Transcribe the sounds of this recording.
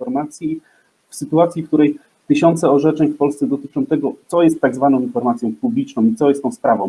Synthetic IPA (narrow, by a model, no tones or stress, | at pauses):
ɔɾmat̪sʲji | fsɘt̪uat̪sʲifk̚t̪uɾɛj | t̪ɘɕɔnt̪sɛɔʐɛt͡ʂɛɲfpɔlst̪sɛd̪ɔt̪ɘ̥t͡ʂɔ̃w̃t̪ɛɡɔt̪sɔjɛst̪ːaɡzvanɔ̃w̃infɔɾmat̪sʲjɔ̃w̃publʲit͡ʂnɔ̃w̃it̪sɔjɛst̪ɔ̃w̃spɾavɔ̃w̃